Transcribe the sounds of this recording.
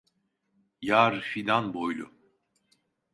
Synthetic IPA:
jaɾfid̪anbojlʲˠʊ

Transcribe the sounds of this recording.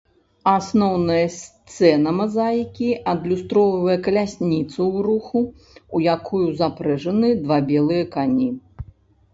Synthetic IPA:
asnɔwnɐjɐsʲt̪sɛnɐmazajkʲiɐd̪lʲust̪ɾɔwvɐjɐkɐlʲasʲnʲit̪sɐwɾuxuː | jakʰujuzapɾɛʐɐnɨd̪vabʲɛlˠɨjɐkanʲi

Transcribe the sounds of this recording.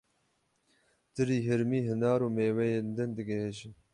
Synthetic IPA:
d̪̥ɨɾiːɦɪɾmiːɦɨnɑːɾuːmeːwɛjeːnd̪ɨnd̪ɨɡɛɦeʒɪn

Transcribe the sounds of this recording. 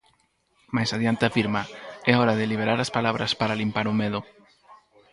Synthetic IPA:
majsaðjant̪eafiɾmaɛɔɾaðeliβ̞eɾaɾaspalaβ̞ɾaspaɾalimpaɾʊmeðʊ

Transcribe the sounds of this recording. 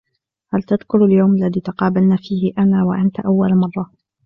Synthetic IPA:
halt̪ad̪kʊɾaljawmalːaðiːt̪ɑqɑːbalnaːfiːhɪʔanaːwaʔant̪aʔawːalmɑrˤːɑ

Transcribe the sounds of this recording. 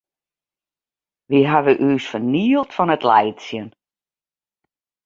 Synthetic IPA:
ʋiɦaʋəʔyːsfəniəəlˠtfɔnətlɛjtsjən

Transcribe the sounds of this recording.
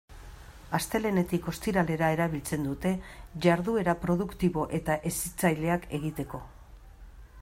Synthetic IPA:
ast̪e̞le̞ne̞t̪iko̞st̪iɾale̞ɾae̞ɾaβ̞ilt͡se̞nd̪ut̪e̞ʝaɾðue̞ɾapɾo̞ðukt̪iβo̞ʔe̞t̪aʔe̞sit͡sajle̞ake̞ɣit̪e̞ko̞

